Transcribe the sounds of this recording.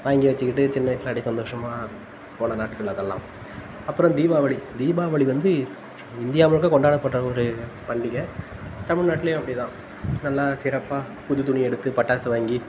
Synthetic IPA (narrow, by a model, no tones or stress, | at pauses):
ʋaːŋɡiʋɐt͡ʃːɯkɪʈːɯt͡ʃɪnːɐjsɪlɐɽisɐnd̪oːʂɐmaː | poːɳɐnaːʈkɐɭɐðɛlːã̰ː | ɐpːɯɾɔ̃d̪iːʋaːʋɐɭid̪iːbaːʋɐɭiʋɐnd̪ɯ | ɪnd̪ɪjaːmɐɭɯkːɐkɔɳɖaːɽɐpːɐʈːɾɐɔɾɯpɐɳɖɪɣɐt̪ɐmɪɻnaːʈːɪlejʊ̃ɐpːɐɽit̪ãː | nɐlːaːsɪɾɐpːaː | pʊðɯt̪̬ʊɳiɛɽɯt̪ːɯpɐʈːaːsɯʋaːŋɡi